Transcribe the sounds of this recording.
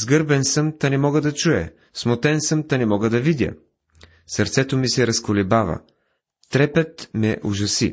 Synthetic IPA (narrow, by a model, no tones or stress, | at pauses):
zɡɤɾbɛnsəmt̪anɛmɔɡəd̪ɐt͡ʃuɛ̰ | smot̪ɛnsəmt̪anɛmɔɡəd̪ɐvid̪jə̰ | sɐɾt̪sɛt̪omisɛɾɐskolɛbavɐ̰ | t̪ɾɛpɛt̪mɛʔuʒɐsḭ